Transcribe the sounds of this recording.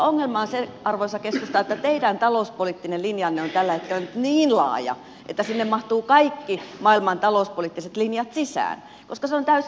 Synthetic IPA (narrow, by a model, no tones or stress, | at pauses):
oŋːelmɑːnseɑrʋoisɑkeskust̪ɑːet̪ːæt̪eidænt̪ɑlouspoliːt̪ːinellinjɑnːeont̪ælːæhet̪̚kelːænyt̪niːnlɑ̰ːjɑ̰ | ʔḛt̪ːæsinːemmɑht̪uːkɑikːimɑilmɑnt̪ɑlouspoliːt̪ːiset̪linjɑt̪sisæ̰ːn | koskɑseont̪æys